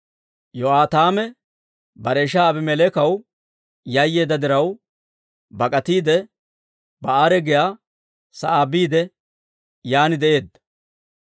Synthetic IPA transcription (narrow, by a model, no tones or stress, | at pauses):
jɔaːt̪aːmɛ | bɐɾeːʃaːbɪmɛlɛkɐw | jɐjːe̞ːd̪ɐd̪ɪɾɐw | bɐkʼɐt̪iːd̪ɛ | bɐaːɾɛɡɪjaː | sɐʔaːbiːd̪ɛ | jaːnɪd̪ɛʔe̞ːd̪ːɐ̥